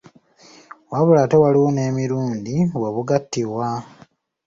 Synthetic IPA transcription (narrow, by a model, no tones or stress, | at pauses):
waβulatewaliwoneːmiɾuːndiweβuɡatːiβwa